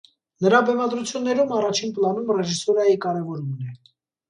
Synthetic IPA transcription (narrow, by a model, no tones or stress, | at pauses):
nəɾɑbɛmɑd̪ɾut͡sʰjunːɛɾumɑrɑt͡ʃʰinplɑnumrɛʒisɔɾɑjikɑɾɛvɔɾumnɛ